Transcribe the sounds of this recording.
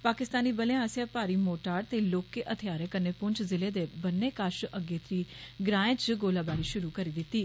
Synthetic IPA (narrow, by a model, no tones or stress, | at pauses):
paːkɪst̪aːniːbəleãːsɪjaːpaːɾiːmoːʈaːɾt̪eːloːkeːʔət̪ʰɪjaːɾẽːkənːeːpʊɲt͡ʃʰzɪleːd̪eːbənːeːkaːʃəɡeːt̪ɾiːɡɾãːẽːt͡ʃɡoːlaːbaːɾiːʃʊɾuːkəɾiːd̪ɪt̪ːiː